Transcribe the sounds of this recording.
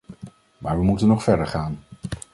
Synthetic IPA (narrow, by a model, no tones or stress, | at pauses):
maːɹʋəmutənːɔχfɛɹdəɹχaːn